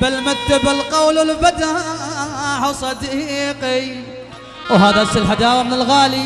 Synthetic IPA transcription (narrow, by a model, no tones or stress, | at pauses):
bɪlmat̪ːabɪlqawlwɪlbad̪a | ħʊsˤɑd̪qi | wɦaːðasɪlħad̪ɑːɾˤmɪnɪlɣaːli